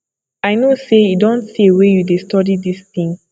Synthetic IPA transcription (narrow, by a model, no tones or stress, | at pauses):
aɪnosejidɔ̃ntsiewejudestɔdidisθĩŋ